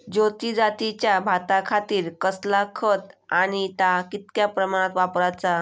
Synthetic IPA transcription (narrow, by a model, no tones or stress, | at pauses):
d͡ʑot̪id͡zat̪it͡ɕjabʱat̪akʰat̪iːɾkəslakʰət̪añit̪akit̪̚kjapɾəmaɽ̃at̪ʋapɾat͡sa